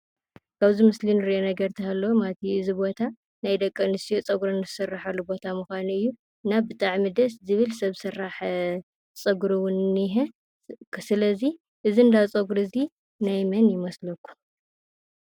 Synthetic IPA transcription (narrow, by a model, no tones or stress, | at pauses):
kʰaβzimɨslinɨɾiʔonɐɡɐɾt̪ʰihalːomat̪ʰiɨzibo̞t̪ʰa | najd̪ɐkʼːɐnɨst̪ijot͡sʼɐɡɾonɨzɨsɨrːaħɐlːubo̞t̪ʰamɨxʷanuɨjːu | nabɨt̪ʼaʕmid̪ɐszɨβɨlsɐβsɨraħ | t͡sʼɐɡɾuwʊnːiɦe | ksɨlɐzi | ʔɨziɨnd̪at͡sʼɐɡɾɨzi | najmɐnjɪmɐslɐkːu̥